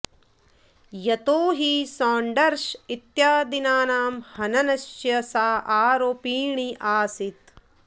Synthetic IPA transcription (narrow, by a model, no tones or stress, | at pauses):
jɐt̪oːɦisaːɳɖɐɾʃit̪jaːd̪inaːnaːmhɐnɐnɐʃjɐsaːʔaːɾoːpiːɳiʔaːsit̪